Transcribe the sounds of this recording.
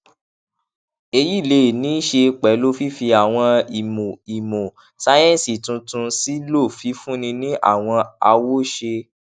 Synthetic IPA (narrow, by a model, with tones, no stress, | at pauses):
e˧ji˦˨le˧˦˨nĩ˨˦ʃe˧k͡pɛ˨˦lo˦fi˦fi˧a˨w̃ɔ̃˧˨m˨i˨mõ˨ | sa˨˦jɛ̃˦˨si˨tũ˧tũ˧si˦lo˦˨fi˨˦fũ˦nĩ˧nĩ˦ʔa̰˦˨w̃ɔ̃˧a˧wo˦ʃe˧